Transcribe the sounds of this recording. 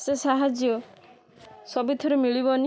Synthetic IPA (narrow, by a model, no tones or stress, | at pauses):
sesaɦad͡ʒjɔ | sɔbit̪ʰɔɾemiɭibɔni